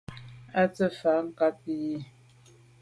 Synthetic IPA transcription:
a˦t͡sə˦fa˨˦ŋ̩˦ka˦pi˦ji˦

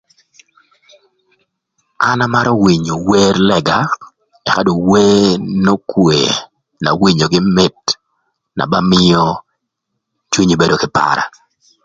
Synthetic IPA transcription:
a˦na˦ma˦ɾɔ˦wi˨ɲo˨we˦rlɛ˨ɡa˨ | ɛ˨ka˦do˨we˦no˦kwe˨ | na̰˨wi˨ɲo˨ɡɪ˦mɪ˦t | na̰˨ba˦mɪ˦jo˦ | t͡ʃwu˦ɲi˦be˦do˦kɪ˨pa̰ɾa̰˨

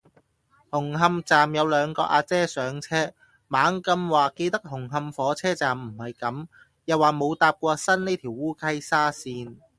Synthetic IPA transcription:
hʊ˨˩ŋɦɐ˧mt͡saː˨mjɐ˨˧wlœː˨˧ŋkɔ̰ː˧ʔa̰ː˧t͡sɛː˥sœː˨˥ŋt͡sʰɛː˥ | maː˨˥ŋkɐ˧mwaː˨ke˧jt̪ɐ˥k̚hʊ˨˩ŋɦɐ˧mfɔː˨˥t͡sʰɛː˥t͡saː˨mm̩˨˩hɐ˨˩jkɐ˨˥m | jɐ˨waː˨mo˨˧wt̪aː˧p̚kʷɔː˧sɐ˥nneː˥t̪ʰiː˨˩wuː˥kʰɐ˥jsaː˥siː˧n

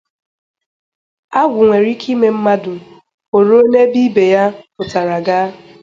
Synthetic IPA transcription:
a˦ɡʷʊ˨ŋʷe˨ɾi˦kʰi˦me˦m̩˦ma˦dʊ˨ | o˨ɾo˦o˦ne˦bi˦be˨ja˦pʊ˨ta˨ɾa˨ɡa˦

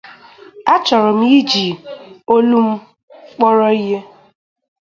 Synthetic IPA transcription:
a˦t͡ʃɔ˨ɾɔ˨m̩˦ji˦d͡ʒi˨o˦lu˦m̩˦ | k͡pɔ˦ɾɔ˦i˦ɦe˦

